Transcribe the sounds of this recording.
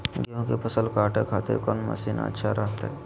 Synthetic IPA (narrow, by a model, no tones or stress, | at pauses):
ɡijõkepʰɐsəlkaːʈḛkʰaːt̪ɪ̰ɾkɔːnmɐ̰siːna̰tːʃʰaɾɐɦt̪aɦɛ